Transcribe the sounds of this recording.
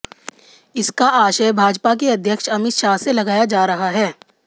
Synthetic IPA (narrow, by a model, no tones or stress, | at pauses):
ɪskaʔaːʃəjbʱaːd͡ʒpak̬eɐd̪ʱjəkʃɐmɪt̪ʃaːselɐɡaːjad͡ʒaːɾɐɦaɦɛː